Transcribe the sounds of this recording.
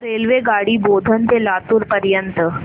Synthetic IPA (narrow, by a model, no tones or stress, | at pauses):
ɾelʋeɡaɽiːbod̪ʱənt̪elat̪uːɾpəɾjənt̪ə